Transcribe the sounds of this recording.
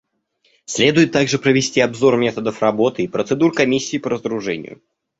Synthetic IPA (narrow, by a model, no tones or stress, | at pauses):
sʲlʲe̞d̪ʊjɪt̪ːaɡʐɨpɾəvʲɪsʲtʲiɐbzo̞rmʲe̞t̪əd̪əfrɐbo̞t̪ɨipɾət̪sɨd̪uɾkɐmʲisʲːɪːpəɾəzəɾʊʐɛ̰nʲɪ̰jʊ̰